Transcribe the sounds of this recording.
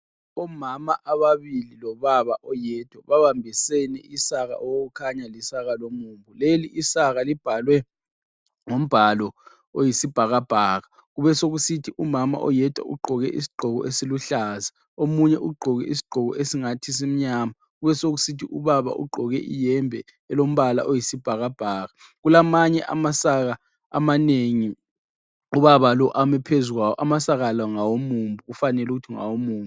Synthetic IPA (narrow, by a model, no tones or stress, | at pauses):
ɔmamaʔaβaβililɔβaβaʔɔjɛːtʼwaβaβambʱisɛnɛ̰isaɣa̰ʔɔwoɣukʰaɲalisaɣalomuːmbʱuleliʔisaɣalib̥ʱalwɛ | ŋom̩b̥ʱalɔ | ojisib̥ʱaɣab̥ʱaːɣa | ɣuβɛsoɣusitʰiʔumama̰ʔɔ̰jɛtʼwa̰ʔṵɡ͡ǃʱɔɣɛ̰ʔḭsi̥ɡ͡ǃʱɔɣɔ̰ʔesiluɬaza | omuɲɛʔuɡ͡ǃʱɔɣɛ̰isi̥ɡ͡ǃʱɔɣɔʔesiŋatʰis̬im̩ɲama | ɣuβɛsoɣ̬usitʰiuβaβa̰ʔṵɡ͡ǃʱɔɣɛʔḭjɛmbʱɛ | ɛlom̩βala̰ʔojisib̥ʱaɣab̥ʱaːɣa | ɣ̬ulamaɲɛʔa̰masaɣa̰ː | maneŋi | uβaβalɔʔamɛpʰezuɣawɔ̰ʔamasaɣalaŋawomuːmbʱuufanɛluk̬utʰiŋa̰womuːmbu